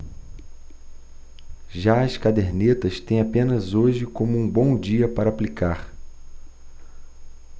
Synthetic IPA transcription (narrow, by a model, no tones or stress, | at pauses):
ʒaɐskad̪eɾnet̪ɐst̪ẽj̃apẽnɐzoʒɪkõmʊũbõw̃d͡ʒiɐpaɾɐaplikaɾ